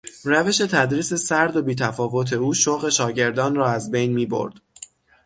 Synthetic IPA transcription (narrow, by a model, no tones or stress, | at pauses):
ræve̞ʃe̞t̪ʰæd̪ɾiːse̞sæɾd̪o̞biːt̪ʰæfɒːvo̞t̪ʰe̞uːʃoɣe̞ʃɒːɟe̞ɾd̪ɒːnrɒːæzbe̞jnmiːbo̰ɾd̪̥